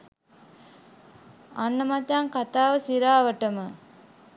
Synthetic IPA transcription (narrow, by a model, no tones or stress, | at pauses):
anːəmat̪ːaŋkat̪aːʋəsiɾaːʋəʈəmə